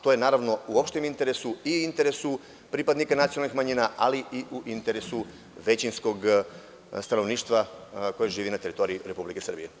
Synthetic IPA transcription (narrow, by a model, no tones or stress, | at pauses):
t̪oje̞naːɾaʋno̞uo̞pʃt̪emint̪e̞ɾesuiuint̪eɾe̞su | pɾipad̪nikanat̪sionalnixmaɲiːnaʔaliʔiʔuʔint̪e̞ɾe̞su | ʋe̞t͡ɕinsko̞ɡ | st̪ano̞ʋniːʃt̪ʋako̞jeʒiːʋinat̪e̞ɾit̪o̞ɾiiɾe̞publike̞sr̩bije